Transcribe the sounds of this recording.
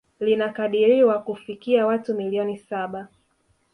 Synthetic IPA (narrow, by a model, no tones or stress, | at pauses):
linakaɗiɾiwakufikiawatumiliɔnisaɓa